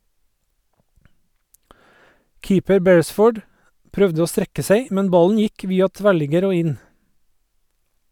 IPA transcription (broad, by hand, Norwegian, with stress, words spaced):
ˈkiːpəɾ ˈbɛɹəˌsfoːɖ ˈpɾœʋdə ˈoː ˈstɾɛkə ˈseɪ ˈmɛn ˈbɑln̩ ˈjɪk ˈʋiːɑ ˈtʋæɭɪɡəɾ ˈoː ˈɪn